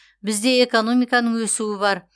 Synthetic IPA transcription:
bɪzd̪e̞ːko̞no̞mijkɑnəɴwɵsuwɪβɑɾ

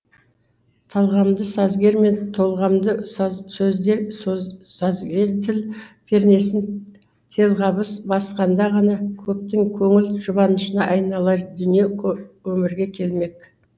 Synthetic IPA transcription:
t̪ʰɑlˠʁɑmd̪əsɑzɡʲe̞ɾme̞nt̪ʰo̞lˠʁɑmd̪əsɵzd̪e̞ɾ | sɑzɡʲe̞ɾt̪ʰɪlpʰe̞ɾne̞sɪn | t̪ʰe̞lˠʁɑbəsbɑsqɑnd̪ɑʁɑnɑkʲʰɵp̚t̪ɪŋkʲʰɵŋɪlʒʊbɑnəʃənɑʔɑjnɑlˠɑɾd̪ʏnije̞kwɵmɪɾɡʲe̞kʲʰe̞lme̞k̚

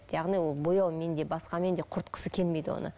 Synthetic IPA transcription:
jɑʁnijwo̞lˠbo̞jɑwme̞nd̪e̞bɑsqɑme̞nd̪e̞qʰʊɾt̪qʰə̥səkʲʰe̞lme̞jd̪ɪwo̰nə̰

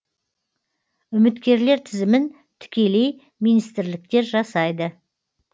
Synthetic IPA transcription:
ʏmɪt̪kʲe̞ɾle̞ɾt̪ʰɪzɪmɪn | t̪ʰʏ̥kʲe̞le̞j | mijnijst̪ɪɾlɪk̚t̪e̞ɾʒɑsɑjd̪ə

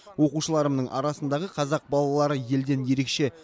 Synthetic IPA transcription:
wo̞quʃəlˠɑɾəmnəɴʔɑ̰ɾɑsənd̪ɑʁəqʰɑzɑq̚bɑlˠɑlˠɑɾəje̞ld̪e̞nje̞ɾe̞kʃe̞

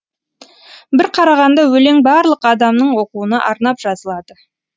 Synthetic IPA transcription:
bɪɾqʰɑɾɑʁɑnd̪ɑwɵleŋbɑɾlˠəqɑd̪ɑmnəɴwo̞quənɑʔɑɾnɑpʒ̥ɑzəlˠɑd̪ə

